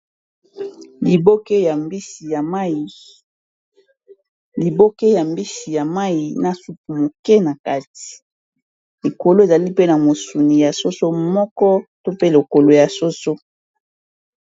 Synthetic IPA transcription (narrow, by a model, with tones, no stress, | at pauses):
li˨bo˦ke˦ja˨mbi˦si˨ja˨ma˦i˨ | li˨bo˦ke˦ja˨mbi˦si˨ja˨ma˦ji˨na˨su˦pu˨mo˨ke˦na˨ka˦ti̥˨ | e˨ko˨lo˦e˨za˨li˦pe˦na˨mo˨su˨ni˨ja˨so˦so˦mɔ˦kɔ˦to˦pe˦lo˨ko˨lo˨ja˨so˦so˦